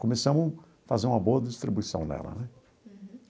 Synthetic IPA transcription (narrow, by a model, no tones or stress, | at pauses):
komesɐ̃mʊ | fazeɾũmɐboɐd̪ist̪ɾibuisɐ̰̃w̃nɛ̰lɐ̰nɛ